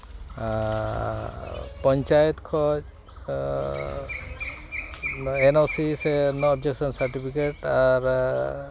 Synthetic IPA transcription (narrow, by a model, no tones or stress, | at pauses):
pɔɲt͡ʃajɔt̪kʰɔ | enɔsisenɔːbd͡ʒeksɔnsaɹʈipʰikeʈaɹ